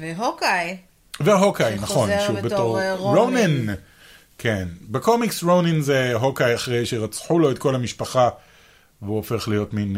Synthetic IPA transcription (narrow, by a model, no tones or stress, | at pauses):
vɦokaj | veɦokajnaχo̞nʃuvbetoʁʁonen | kʰenbeko̞miksʁowninzeɦo̞kajaχʁe̞jʃe̞ʁat͡sħulo̞et̪̚ko̞lamiʃpaχa | veuofe̞χlijo̞tmin